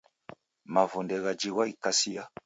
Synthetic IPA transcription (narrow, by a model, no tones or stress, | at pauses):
mavundɛɣad͡ʒiɣwaikasia